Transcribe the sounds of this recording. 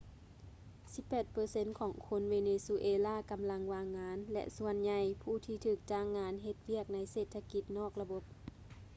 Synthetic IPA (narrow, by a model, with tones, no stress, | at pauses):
si˧˦pːɛː˨˩t̪̚pɤː˧se˧˥nkʰɔː˩˦ŋkʰo˧˥nʋeː˧neː˧su˧ʔeː˧laː˥˨ka˧mla˧˥ŋʋaː˧ŋːaː˧˦nlɛ̰˧ʔsu˧˥ənɲa˧˩jpʰuː˧˩t̪ʰiː˧t̪ʰɯː˧˩k̚t͡ɕaː˧˩ŋːaː˧˥nɦe˧t̪̚wi˥˩ək̚na˧˥jseː˨˩t̪ʰːa˧ki˧˦t̪̚nɔː˥˩k̚la˧bo˧˥p̚